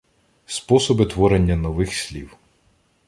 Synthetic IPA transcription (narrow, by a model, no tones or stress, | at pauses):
spɔsɔbɪt̪ʋɔɾenʲːɐnɔʋɪxsʲlʲiw